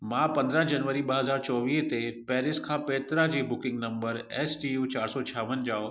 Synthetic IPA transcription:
mãpɐ̃nd̪ɾə̃ɦd͡ʑɐnʋəɾiɓɐɦɐzaːɾt͡ɕɔːʋiːɦt̪epɛːɾɪskʰãːpɛːt̪ɾad͡ʑeːbʊkɪ̃ŋɡnɐ̃mbəɾɛːsʈijuːt͡ɕaːɾsɔt͡ɕʰaːʋənd͡ʑaːo

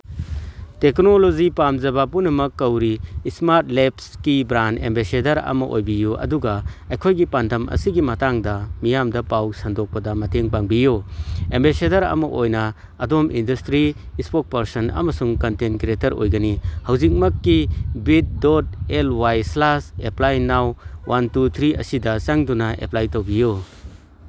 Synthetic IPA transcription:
teknolozipamzɐbapunːɐmɐkːɐwɾiːsmaɾt̚lepskibɾanḛmbesedɐɾɐ̰mɐʔo̰jbijuʔɐ̰duɡɐɐjkʰojɡipandʱɐmɐ̰siɡimɐtaŋdɐmijamdɐpawsɐndɔk̚pɐdɐmɐtʰeŋpaŋbijuembesedɐɾɐ̰mɐʔojnɐː | domʔindɐstɾiː | spok̚pɐɾsɐnɐ̰mɐsuŋkɐntenkɾetɐɾo̰jɡɐnihɐwzik̚mɐkːibit̚dot̚elwajslaseplajnawwantut̪ʰɾiɐ̰sidɐsɐŋdunɐʔḛplajtowbiju

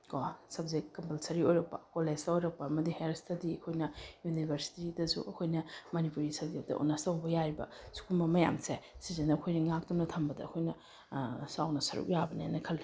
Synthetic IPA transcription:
kosɐb̚zekɐmpɐlsɐɾiojɾɐk̚pɐ̰koled͡ʒtɐojɾɐk̚pɐːmɐdiheɾstɐdiɐkʰojnɐjunibʱɐɾsi̥tidɐsṵʔɐkʰojnɐmɐnipuɾisɐdiɐp̚tɐ̰ʔo̰nastɐwbɐjajbɐ̰su̥kʰumbɐmɐja̰msesizenɐɐkʰojnɐŋak̚tumnɐtʰɐmbɐdɐ̰ɐkʰojnɐ | sawnɐsɐɾṵk̚jabɐnenɐkʰɐli

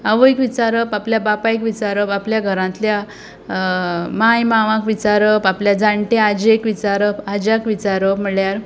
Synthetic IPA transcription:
əʋəjkʋit͡ɕaɾəpapljabapajkʋit͡ɕaɾəpapljaɡʱəɾãnt̪lja | majmaʋãkʋit͡ɕaɾəpapljad͡zaɳʈead͡ʑekʋit͡ɕaɾəpad͡ʑakʋit͡ɕaɾəpm̤əɭjaɾ

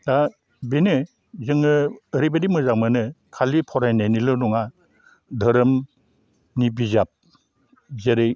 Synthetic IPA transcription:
da | benɯ | zɯŋɯːɾibadimɯzakmɯnɯkʰalipʰɔɾajnajnilɔnɔŋa | dʱɯɾɯm | nibizap̚ | zeɾɯj

